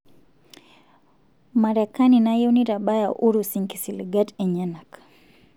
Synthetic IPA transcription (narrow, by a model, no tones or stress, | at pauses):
maɾɛkaninajoniɾabajaʔuɾusiŋkisiliɡatɛɲɛnak